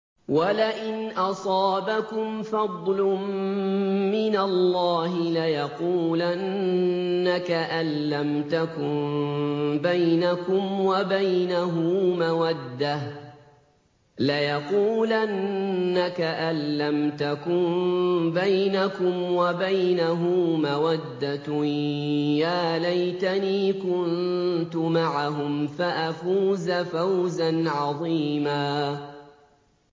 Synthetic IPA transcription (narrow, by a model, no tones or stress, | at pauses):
walaʔɪnʔɑsˤɑːbakʊmfɑd̪ˤlʊmː | ɪnalːɑːɦɪlajɑquːlannːakaʔalːamt̪akʊn | bajnakʊmwabajnaɦʊmawad̪ːah | lajɑquːlʔanːakaʔalːamt̪akʊmbajnakʊmwabajnaɦʊmawad̪ːa | jaːlajt̪aniːkʊnt̪ʊmaʕaɦʊmfaʔafuːzafawzanʕɑðˤiːmaː